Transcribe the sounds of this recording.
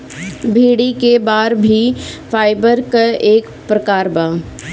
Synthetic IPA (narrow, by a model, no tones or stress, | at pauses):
bʱeːɽikebaːɾbʱifʰaːɪbəɾkaeːk | pɾəkaːɾbãː